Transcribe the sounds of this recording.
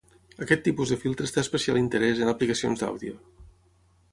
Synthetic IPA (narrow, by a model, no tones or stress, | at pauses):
əkɛt̪ːipuzðəfilˠt̪ɾəst̪aspəsia̰lint̪əɾɛzənəplikəsio̰nzd̪a̰wðio